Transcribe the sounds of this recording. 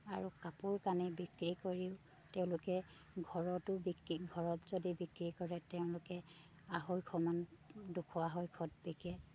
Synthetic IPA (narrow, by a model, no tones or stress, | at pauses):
aɹukapʊɹkanibikɹikoɹiʊ | teʊ̃lʊkɛ | ɡʱɔɹɔtʊbikɹiɡʱɔɹɔtzodibikɹikɔɹɛteʊ̃lʊkɛ | aɦojkʰɔmandukʰɔaɦojkʰɔt̚bekɛ